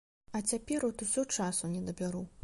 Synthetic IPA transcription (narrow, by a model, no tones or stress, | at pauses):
ɐt͡sʲapʲɛɾut̪usʲɔt͡ʂasunʲɛd̪ɐbʲaɾu